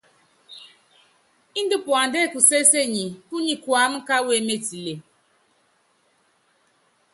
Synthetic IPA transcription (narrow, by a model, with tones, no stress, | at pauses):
i˦n˦di˦pwa˨n˨dɛ˦˨ku˨se˦se˦˨ɲi˨tu˦ɲi˨kwa˨˦m̩˦ka˦we˦˨˦me˦ti˨le˨